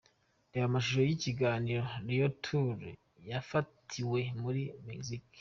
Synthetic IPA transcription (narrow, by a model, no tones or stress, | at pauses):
dewamaʃ̬uʃojiciɡaːniɾo̞nijo̞tʰuɾ | jafatʰiwe̞muɾimezik